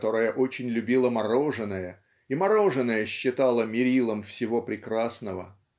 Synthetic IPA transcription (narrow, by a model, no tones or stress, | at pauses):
t̪o̞ɾəjəʔo̞t͡ɕɪnʲlʲʉbʲilˠəmɐɾo̞ʐɨnəjə | imɐɾo̞ʐɨnːəjəɕːɪt̪alˠəmʲɪɾʲilˠəmfsʲɪvo̞pɾʲɪkɾasnəvə̰